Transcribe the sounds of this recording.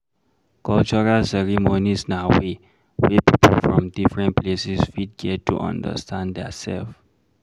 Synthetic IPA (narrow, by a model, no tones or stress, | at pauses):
kɔlt͡ʃɔɹalsɛɹimonisnawe | wɛpipʰəlfɹɔ̃mdifɹɛ̃nplesisfid̚ɡɛttːṵʔã̰ndə̰stʰãnddɛsɛ̰lf